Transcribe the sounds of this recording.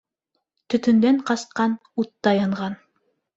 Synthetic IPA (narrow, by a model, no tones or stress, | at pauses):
t̪ɵ̆t̪ɵ̆nd̪æɴqɑsqɑn | ut̪ːɑjɤ̆ɴʁɑn